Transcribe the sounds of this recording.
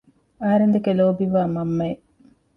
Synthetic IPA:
ɐɦɐɾend̪ekeloːbiʋaːmɐmːɐe

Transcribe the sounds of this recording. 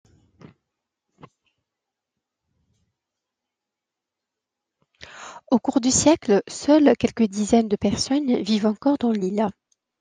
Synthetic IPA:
okuʁd̪ysjɛklsœlkʲɛlkəd̪izɛnd̪əpɛʁsɔnvivɑ̃kɔʁd̪ɑ̃lil

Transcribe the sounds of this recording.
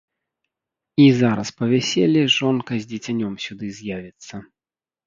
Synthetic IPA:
izaɾɐspɐvʲɛsʲelʲiʐɔnkɐzʲdd͡zʲit͡sʲanʲɔmsʲud̪ɨzʲjavʲit̪sːɐ

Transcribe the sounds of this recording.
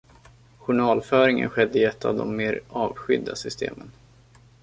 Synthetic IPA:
ɧʊɳɑːlfœːɾɪŋə̰nɧɛd̪ːəɪɛt̪ːavd̪ɔmːeːɾɑːvɧʏd̪ːasʏst̪ʰḛːmən

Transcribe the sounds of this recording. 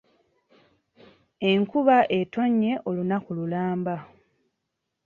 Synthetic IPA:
e̞ŋkuβaʔe̞to̞ɲːe̞ʔo̞lunakululaːmba

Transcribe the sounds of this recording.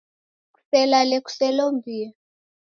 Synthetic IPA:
ku̥sɛlaleku̥sɛloɱvʱiːja

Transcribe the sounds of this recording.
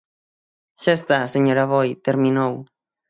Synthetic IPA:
ʃaest̪aseɲoɾaβojt̪eɾmĩnow

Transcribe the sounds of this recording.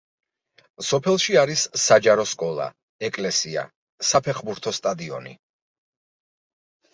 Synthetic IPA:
sɔpʰɛlˠʃiaɾisad͡ʒaɾɔskʼɔlˠa̰ | ɛkʼlɛsia̰ | sapʰɛχbuɾt̪ʰɔst̪ʼad̪iɔ̰nḭ

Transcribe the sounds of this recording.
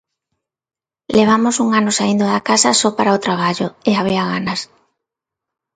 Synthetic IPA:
leβ̞amosuŋanosaind̪oðakasasɔpaɾaot̪ɾaβ̞aʎoeaβ̞iaɣanas

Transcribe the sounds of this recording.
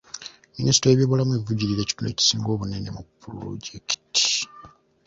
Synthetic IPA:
minisi̥tojeβjoβolamueivuɟiɾiɾe̞ːci̥tune̞̰ːci̥siːŋɡo̞ːβunenemupːuɾo̰ɟeki̥ti̥

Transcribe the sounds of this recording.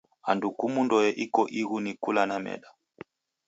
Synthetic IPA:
andukumundɔjɛʔikɔʔiɣunikulanamɛ̰ɗa

